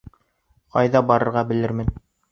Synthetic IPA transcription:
qɑ̰jðɑbɑɾɤ̆ɾʁɑbɘ̆lɘɾmɘn

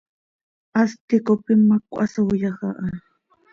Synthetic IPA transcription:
ast̪ɪkopɪmakʷʼasawjɑχɑʔa

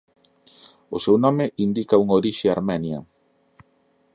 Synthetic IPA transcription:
ʊsewnɔ̃mɪʔind̪ikauŋoɾiʃeaɾmɛnjɐ

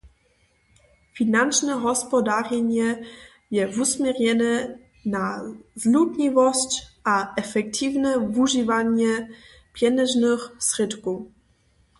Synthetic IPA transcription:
fʲinant͡ʂnɛɦɔspɔd̪arjɛɲɛ | jɛvusmʲjɛrɲɛnɛ | nazlutɲivɔst͡ɕʔaʔɛfɛkt̪ʰivnɛvuʒivaɲɛ | pjɛnɛʒnɘxsrɘt̪ku

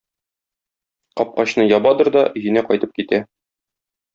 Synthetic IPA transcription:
qɒp̚qɑɕnɤjɒbɑd̪ɤɾd̪ɒʔɵ̆jɘ̆næqɒjt̪ɤp̚kit̪æ

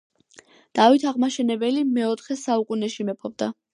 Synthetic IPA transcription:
d̪̥avit̪ʰaʁmaʃɛnɛbɛlimɛɔt̪ʰχɛsaukʼunɛʃimɛpʰɔb̚d̪a

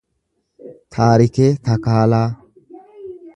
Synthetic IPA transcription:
t̪ʰaːɾɪkɛt̪ɐkaːlaː

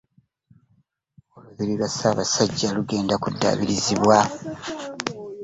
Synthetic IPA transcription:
oluβiɾiβasaːβasaɟːaluɡe̞ːndakudːa̰ːβiɾiziβwa

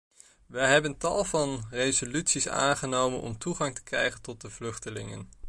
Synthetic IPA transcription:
ʋəjɦɛbəntɑ̰lˠvɑnrejzolytsisa̰ːnχənowmə̰nʔɔ̰mtuχɑŋtə̥krɛjχəntɔt̚dəvlɵχtəlɪ̰ŋə̰n

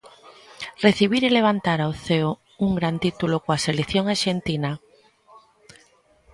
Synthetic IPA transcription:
reθiβ̞iɾileβ̞ant̪aɾaoθeo | uŋɡɾant̪it̪ulokoaselekθjoŋaɾʃent̪ina

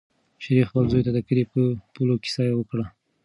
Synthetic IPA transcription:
ʃaɾixpəlzojt̪ad̪əkəɾepəpulokɪ̥sɑjawəkɽa

